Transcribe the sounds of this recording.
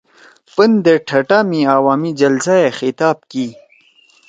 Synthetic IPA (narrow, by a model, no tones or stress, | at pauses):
pənd̪eʈʰɐʈamĩaːwaːmid͡ʑɐlzaexit̪aːb̚kiː